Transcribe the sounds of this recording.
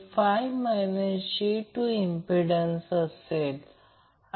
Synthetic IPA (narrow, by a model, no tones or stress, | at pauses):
fajʋmajnəɕiʈːuimpiɖənsəsel